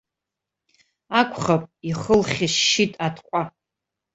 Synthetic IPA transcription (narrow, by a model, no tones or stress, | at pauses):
akʷʼʰχapʼiχəlχʲɪʃːitʼatʰqʷʼa